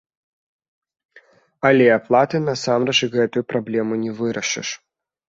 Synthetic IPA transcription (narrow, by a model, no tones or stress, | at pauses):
ɐlʲeɐplˠat̪ɨnɐsamɾɐʐɨɣɛt̪ʊjʊpɾɐblʲemʊnʲɪvɨɾɐʂɨ̰ʂ